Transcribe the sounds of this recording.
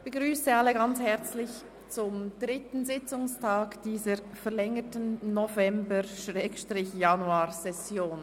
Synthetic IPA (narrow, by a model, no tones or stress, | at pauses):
b̥əɡʁyːsəalːəɡant͡shɛʁt͡slɪç | t͡sʊmdʁɪtn̩zɪt͡sʊŋstʰaːkd̥iːzəɾ | fɛʁlɛŋətənːɔvɛmbəʃʁɛːkʃtʁɪçjanuaːsɛsjoːn